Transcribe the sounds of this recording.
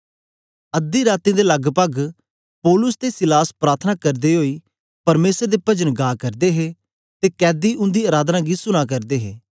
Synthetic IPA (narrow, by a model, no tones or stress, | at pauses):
ɐd̪ːiɾaːt̪ĩd̪elɐɡpəɡ | pɔːlʊsd̪esɪlaːspɾaːt̪ʰənakɐɾd̪iɦoːiː | pɐɾmeːsəɾd̪epɐd͡ʒənɡaːkɐɾd̪eɦe | t̪ekɛːd̪iʊ̃nd̪iɐɾaːd̪nãɡisʊñakɐɾd̪eːɦeː